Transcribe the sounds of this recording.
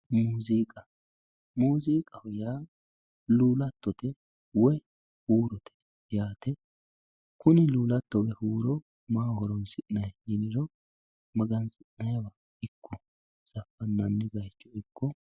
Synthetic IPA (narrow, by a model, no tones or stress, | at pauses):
muːziːkʼɐ | muːziːkʼɐhʊjaː | luːlɐt̪ːɔt̪ɛ | wɔj | huːɾɔt̪ɛ̥ | jaːt̪ɛ | kʊnɪluːlɐt̪ːɔwɛhuːɾɔ | maːhɔɾɔnsɪʔnɐjɪnɪɾɔ | mɐɡɐnsɪʔnɐjwɐ | ɪkʰːɔ | z̥ɐfːɐnːɐnːɪɡɐjt͡ʃːɔɪkːɔ